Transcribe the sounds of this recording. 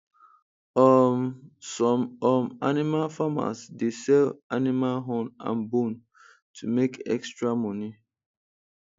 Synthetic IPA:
sɔmɔmanimalfama̰sdesɛlanimalɦɔ̃nã̰nbũn | tʰumekɛ̰kstɹamɔni

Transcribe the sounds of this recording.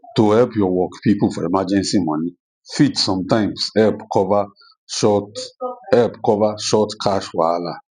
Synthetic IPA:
tohɛlpjɔwɔkpipufɔemad͡ʒɛ̃nsimɔ̃nĩ | fitsɔ̃mtãɪ̃msɛlpkʰɔva | ʃɔ | ɛlpkɔvaʃɔtkʰaʃwala

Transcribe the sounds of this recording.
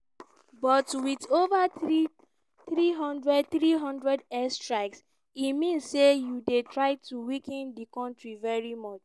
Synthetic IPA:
bɔtwitovai | θɹiɦɔ̃ndɹɛd̚θɹiɦɔ̃ndɹɛdɛstɹaɪks | imĩnssːejudetɹaɪtuwikɛ̃ndikɔ̃ntɹivɛɹimɔt͡ʃ

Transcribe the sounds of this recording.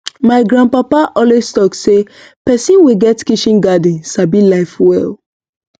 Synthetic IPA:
maɪɡɾãnpapaʔɔlestɔkse | pɛsĩnwiɡɛtkiʃĩnɡadĩnsabilaɪfwɛl

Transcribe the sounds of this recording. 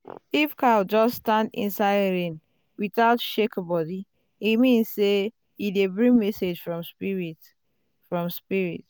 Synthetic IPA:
ifkald͡ʒɔsstãndḭ̃nsaɪdɹẽn | wiθaʊtʃekbɔdi | imĩnsːe | idebɹĩŋmɛsed͡ʒfɹɔ̃mspɹit | fɹɔ̃mspiɹḭt

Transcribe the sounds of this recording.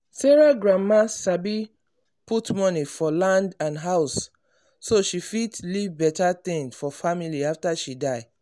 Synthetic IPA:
seɹaɡɹamasabi | putmɔnifɔlãndãnɦaʊsː | oʃifitlivbɛtat̪ĩnfɔfamiliaftaʃidaɪ

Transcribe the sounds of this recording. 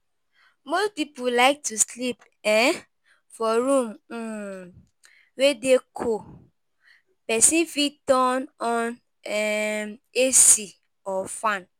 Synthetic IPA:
mospipulaɪk̚tuslip | ɛ̃ | fɔɹũm̩ | wedekʰo | pɛsĩnfitɔ̃nɔ̃n | ɛmesi | ɔfãn

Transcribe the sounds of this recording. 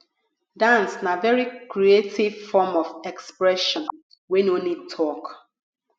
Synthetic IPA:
dãnsnavɛɹikɹietivfɔmɔvɛkspɹɛʃɔ̃n | wɛ̃nonitʰɔk

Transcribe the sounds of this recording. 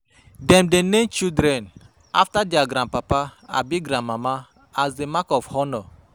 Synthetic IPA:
dɛmdenemt͡ʃildɾɛn | a̰ftadiaɡɾãn̚papaa̰biɡɾãnmama | azdemakɔfhɔnɔ

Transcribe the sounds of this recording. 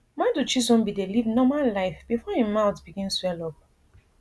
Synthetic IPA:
mãdut͡ʃizɔ̃nbidelivnɔmallaɪfb̥ifɔhimaʊtb̥iɡĩnswɛlɔp̚

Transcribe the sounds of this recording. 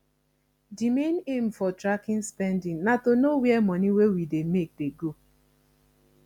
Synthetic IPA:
dimenem̩fɔtɾakɪ̃nspɛndɪ̃ŋnatonowɛɛmɔniwewidemek̚deɡo

